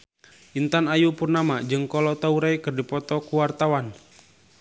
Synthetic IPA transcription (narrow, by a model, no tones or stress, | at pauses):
ʔint̪anajupurnamad͡ʒɨŋkɔlɔt̪auɾajkɨrdipɔt̪ɔkuwart̪awan